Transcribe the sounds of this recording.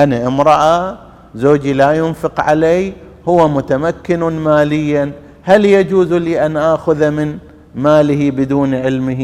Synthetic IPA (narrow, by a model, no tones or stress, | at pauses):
ʔanaʔɪmɾˤɑʔa | zoːd͡ʒilajʊnfɪqʕa̰lej | hʊwːamʊt̪amakːɪnmaːlɪjːan | haljad͡ʒuːzliːʔanʔaːxʊðamɪn | maːlɪhibɪd̪uːnʕɪlmɪ